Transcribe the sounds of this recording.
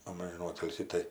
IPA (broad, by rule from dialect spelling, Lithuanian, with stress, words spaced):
ˈɐmʲʒʲɪˈnuː ˈoːtʲɪlʲsʲiː ˈtɐɪ